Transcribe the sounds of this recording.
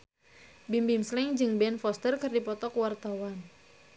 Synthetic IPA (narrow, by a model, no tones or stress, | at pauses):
bimbimslɪŋd͡ʒɨŋbɛnfɔst̪ərkɨrdipɔt̪ɔkwart̪awan